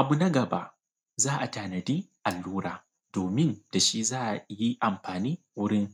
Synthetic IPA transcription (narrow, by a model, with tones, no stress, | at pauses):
ʔa˨bu˦nɐ˦ɡɐ˨ba̰˦ʔ | zaː˦ʔa˨taː˨nɐ˨diː˦ʔa˨lːuː˦ɾa̰ː˨ | d̥oː˨mɪ˦nd̥a˨ʃi˦zaː˦ʔa˨ji˦ʔa˨mɸaː˨niː˦ | wʊ˦ɽɪ˦ŋ